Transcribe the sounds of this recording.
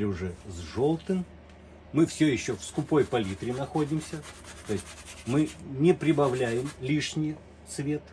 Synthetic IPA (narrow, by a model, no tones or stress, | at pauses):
lʲʊʐɛzʐo̞lˠt̪ɨmː | ɨfsʲɵjɪɕːofskʊpo̞jpɐlʲit̪ɾʲɪnɐxo̞dʲɪmsʲət̪o̞ɪsʲtʲmɨnʲɪpɾʲɪbɐvlʲæjɪmlʲiʂnʲɪj | t̪svʲe̞t̪